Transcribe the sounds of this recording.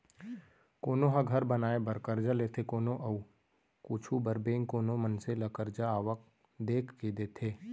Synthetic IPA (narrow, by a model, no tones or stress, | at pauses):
koːnoɦãɡʱɐɾbənaːebəɾkəɾd͡ʒaleːt̪ʰekoːnoʔɐu | kut͡ʃʰubəɾbẽːŋkoːnomənselɐkəɾd͡ʒaaːʋək̚ | d̪eːkʰked̪eːt̪ʰeː